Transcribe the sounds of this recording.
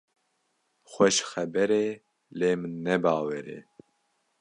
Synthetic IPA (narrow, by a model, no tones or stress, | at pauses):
xʷɛʃxɛbɛɾeː | leːmɨnːɛbaːwɛɾḛː